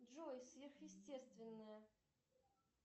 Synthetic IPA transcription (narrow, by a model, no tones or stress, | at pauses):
ʐojsʲvʲerxjɪsʲtʲest̪vʲɪnːəjə